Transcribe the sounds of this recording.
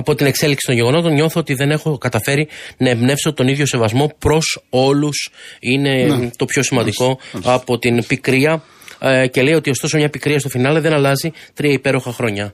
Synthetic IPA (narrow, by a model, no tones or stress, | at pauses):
ɐpo̞t̪ine̞kse̞liksi̥t̪o̞ɲʝe̞ɣono̞t̪o̞nɲo̞θoot̪iðe̞ne̞xo̞kɐt̪ɐfe̞ɾinɐebne̞fso̞t̪o̞niðʝo̞se̞vɐzmo̞pɾo̞so̞lusine̞t̪o̞pço̞simɐnd̪iko̞ɐpo̞t̪inpikɾiɐ | ce̞le̞jo̞t̪io̞st̪o̞somɲɐpikɾiɐst̪ofinɐleðe̞nɐlɐzit̪ɾiɐipe̞ɾo̞xɐxɾo̞ɲɐ